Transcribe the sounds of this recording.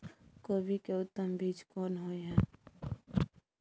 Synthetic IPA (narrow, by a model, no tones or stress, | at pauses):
koːbikeʊt̪ːəmbiːd͡ʒkɔːnɦoːeɦɛ̃ː